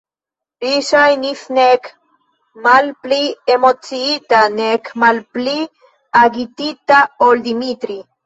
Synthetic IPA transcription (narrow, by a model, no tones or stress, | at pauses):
ɾiʃajnisnek | malpliemot͡siit̪anekmalpli | aɡit̪it̪aold̪imit̪ɾi